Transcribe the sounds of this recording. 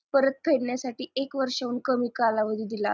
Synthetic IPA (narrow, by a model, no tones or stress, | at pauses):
pəɾət̪̚pʰeɽɳjasaʈiːekʋəɾʂauːnkəmiːkalaʋəd̪ʱid̪ila